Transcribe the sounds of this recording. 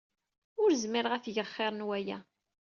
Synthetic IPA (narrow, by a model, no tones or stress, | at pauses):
ʊɾzmɪɾəʁæθʝəχːɪɾˤnwæjæ̰